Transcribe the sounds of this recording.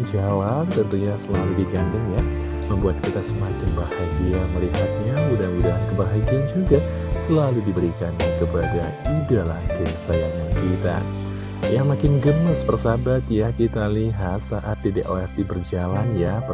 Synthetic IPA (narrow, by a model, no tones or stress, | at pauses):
d͡ʒawalt̪ənt̪uɲasəlaludiɡandʊŋja | məmbuat̪̚kit̪asəmakɪnbahaɡiaməliɦat̪̚ɲaudaɦanudaɦankəbaɦaɡiand͡ʒuɡa | səlaludibəɾikankəpada | idala̰kəsajaŋankit̪a̰ | jamakɪnɡəməsbərsabat̪jakit̪aliɦat̪saʔat̪̚dideʔoɛsdibərd͡ʒalanjap